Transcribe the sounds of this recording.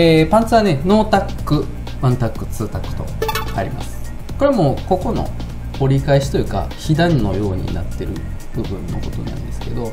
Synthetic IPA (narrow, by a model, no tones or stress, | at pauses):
pãnt͡sɨaneno̞ːt̪akːɯ̟ | mãnt̪akːɯ̟t͡sɨːt̪akːɯ̥t̪o̞̰aɾʲḭma̰sɨ̥ | ko̞ɾe̞mo̞ko̞ko̞no̞̰ | oɾʲikaeɕi̥t̪o̞jɯ̟ːka̰çid̪ãnːo̞̰jo̞ːɲ̟ḭna̰t̪ːe̞ɾɯ̟ | b̥ɯ̟bɯ̟̃nːo̰ko̞t̪o̞nã̰nd̪e̞sɨ̥ke̞d̪o̞